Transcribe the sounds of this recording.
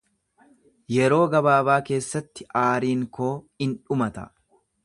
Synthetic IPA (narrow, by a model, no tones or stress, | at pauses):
jɛɾo̞ːɡɐbaːbaːke̞ːsːɐt̪ːɪʔaːɾiːŋkoː | ɪnᶑʊmɐt̪ɐ̰